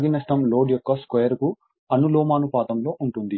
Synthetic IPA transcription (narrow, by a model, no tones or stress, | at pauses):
ɡinɐsʈɐmlo̞ːɖjɔkːɐskejɐɾku | ɐnuloːmaːnupaːt̪ɐmlo̞ːʔuɳʈund̪i